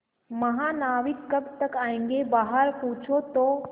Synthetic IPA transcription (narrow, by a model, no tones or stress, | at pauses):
mɐɦanaːʋikkəbt̪əkaːẽŋɡebaːɦəɾpuːt͡ʃʰot̪o